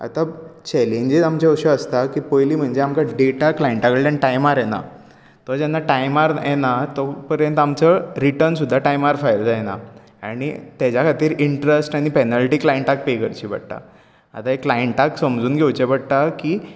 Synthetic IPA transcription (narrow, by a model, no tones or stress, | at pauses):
a̰t̪at͡ɕɛlẽɲd͡ʑiamt͡ɕeəɕəəst̪akipojliːm̤əɳd͡ʑeamkaɖeʈaklajeɳʈakəɭt̪aniʈajmaɾjena̰ | t̪ɔd͡ʑɛnːaʈajmaɾjenat̪ɔpəɾjə̃nt̪amt͡səɾiʈəɾnsud̪ʱːaʈajmaɾfajld͡zajena̰ | a̰ɽ̃ḭt̪ad͡ʑjakʰat̪iːɾiɳʈɾesʈaɽ̃ipɛnalʈiːklajeɳʈak̚pejkəɾt͡ɕiːbə̰ɽt̪a̰ | a̰t̪aekːlajeɳʈaksəmd͡zuːnɡʱewt͡ɕebəɽt̪aki